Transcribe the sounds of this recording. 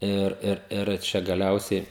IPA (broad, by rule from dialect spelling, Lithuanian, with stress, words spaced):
ˈɪr ˈɪr ɪr ˈt͡ʃʲɛ ɡɐˈlʲɛʊsʲɛɪ